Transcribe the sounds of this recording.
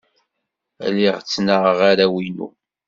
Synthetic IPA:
æ̰liʁt͡sːnəʁʁaɾawinṵ

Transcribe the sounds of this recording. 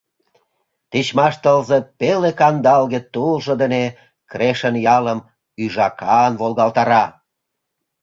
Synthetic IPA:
t̪it͡ɕmɑʃt̪əlzepelekɑnd̪ɑlɣet̪ulʒə̆d̪əne | kɾeʃənjɑləm | yʒɑkɑnβolɣɑlt̪ɑɾɑ

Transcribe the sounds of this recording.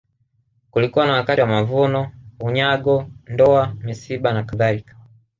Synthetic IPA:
kulikuwanawakatiwamavunɔuɲaɡɔndɔamisibanakaðalikḁ

